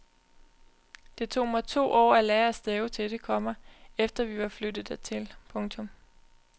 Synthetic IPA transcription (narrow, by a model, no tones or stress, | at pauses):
d̥e̝t͡sʰo̝̰ːmaɪt͡sʰo̝̰ːʔɒ̰ːælɛːɐæsd̥eʊt͡sʰe̝ld̥e̝kʰɒ̽m̰ɐefd̥ɐʋiʋɑ̈flød̥ð̩ˠət͡sʰe̝lpʰɔ̽ŋt͡sʰɔ̽m